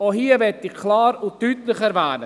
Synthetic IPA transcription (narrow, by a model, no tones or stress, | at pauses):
ohiːəvɛtɪχkʰlaːɾʊnttyːtlɪχɛɾvɛːnə